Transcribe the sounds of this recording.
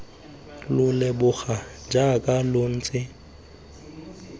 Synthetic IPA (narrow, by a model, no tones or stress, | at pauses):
lʊlebʊɣa | d͡ʒakʼalon̩ːt͡sʼɪ